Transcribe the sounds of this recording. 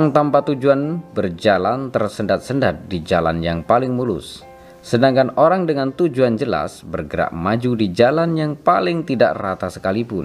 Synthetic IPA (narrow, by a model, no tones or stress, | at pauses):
ŋt̪ampat̪ud͡ʒuanbərd͡ʒalant̪ərsəndat̪̚səndat̪̚did͡ʒala̰njaŋpalɪŋmulʊ̰s | sədaŋkanoɾaŋdəŋant̪ud͡ʒuand͡ʒəla̰sbərɡəɾa̰ʔmad͡ʒudid͡ʒalanjaŋpalɪŋt̪ida̰ʔrat̪asəkalipʊ̰n